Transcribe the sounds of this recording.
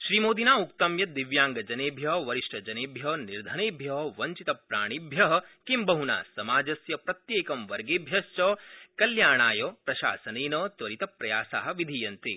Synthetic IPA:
ʃɾiːmoːd̪ʱinaːukt̪ɐmjɐd̪iʋjaːŋɡɐd͡ʒɐneːbʱjɐɦʋɐɾiʂʈɐd͡ʒɐneːbʱjɐniɾd̪ʱɐneːbʱjɐɦɐʋɐɲt͡ʃit̪ɐpɾaːɳ̃ibʱjɐɦɐkimbɐɦuna̰ːsɐmaːd͡ʒɐsjɐpɾɐt̪jeːkɐmʋɐɾɡeːbʱjɐst͡ʃɐkɐljaːɳ̃aːjɐpɾɐʃa̰ːsɐneːnɐːt̪ʋɐɾit̪ɐpɾɐjaːsa̰ːɦɐ̆ʋid̪ʱijɐnt̪i

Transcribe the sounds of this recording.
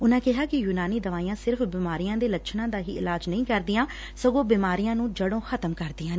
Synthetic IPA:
ʊnãːkɪɦaːkɪjuːnaːniːd̪əʋaːijãːsɪɾfbiːmaːɾijãːd̪eːləʃʰnãːd̪aːɦḭːɪlaːd͡ʒnəĩːkəɾd̪ɪjãː | səɡõːbiːmaːɾijãːnũːd͡ʒəɽõːxʰət̪əmkəɾd̪ɪːãː

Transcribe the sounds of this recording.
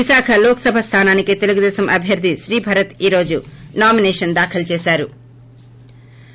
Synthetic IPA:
ʋiʃaːkʰɐloːkɐ̥sɐbʱɐst̪ʰaːnaːnikit̪e̞luɡud̪ɛːsɐmʔɐbʱjɐɾd̪ʱiʃɾiːbʱɐɾɐt̪iːɾo̞ːd͡ʒunaːmineːʂɐnd̪aːkʰɐlt͡ʃeːsaːɾu

